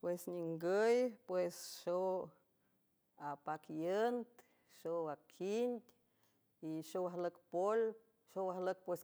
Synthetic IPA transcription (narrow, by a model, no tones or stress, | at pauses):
pwesɲiŋɡəjpwesʃo | apakjənt̪ | ʃoakʰind̪ʲ | iʃowaɦləkpol | ʃowahlək̚pwes